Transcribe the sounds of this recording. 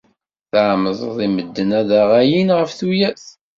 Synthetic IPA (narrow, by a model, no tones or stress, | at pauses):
θʕməðˤðˤiməd̪ːənæðaʁæjinʁəfθujæθ